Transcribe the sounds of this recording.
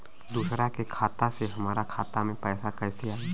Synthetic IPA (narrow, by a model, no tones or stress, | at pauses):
d̪uːsɾakekʰaːt̪aseɦɐmaːɾakʰaːt̪amẽpɛːsakɛːseaːɦɛː